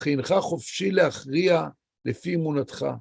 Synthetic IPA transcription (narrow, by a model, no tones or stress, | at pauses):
χinχaχofʃileaχʁia | lefiːmunat̪χa̰